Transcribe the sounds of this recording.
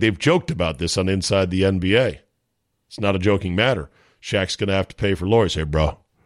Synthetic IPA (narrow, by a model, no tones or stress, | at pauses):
ðeɪvd͡ʒoʊk̚tɨbaʊt̪̚ðɪsn̩ɨ̃nsaɪd̪̚ðiɛ̃nbieɪ | ɪtsnəɾɨd͡ʒoʊkɪ̃ŋmæɾə̰˞ | ʃæksɡ̥ʌnɨhæftʰə̥pʰeɪfə˞lɔɹz̥heɪbɹoʊ